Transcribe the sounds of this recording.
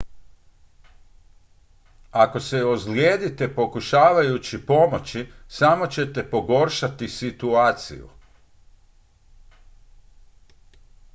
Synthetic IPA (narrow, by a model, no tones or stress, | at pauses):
ako̞seozljeːd̪it̪e̞po̞kuʃaːʋajut͡ɕipo̞mo̞t͡ɕisamo̞t͡ɕe̞t̪e̞po̞ɡo̞ɾʃat̪isit̪uaːt̪sḭjṵ